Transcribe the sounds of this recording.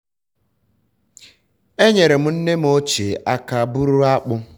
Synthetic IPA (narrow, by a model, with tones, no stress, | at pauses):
e˦ɲe˨ɾe˨m̩˦n̩˦ne˦m̩˦o˦t͡ʃe˨a˦ka˦bu˦ɾu˦a˦k͡pʊ˦